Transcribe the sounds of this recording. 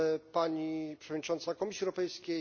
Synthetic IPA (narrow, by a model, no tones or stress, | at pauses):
paɲipʂɛvɔd̪ɲit͡ʂɔnt̪sakɔmʲisʲiɛwɾɔpɛjskʲe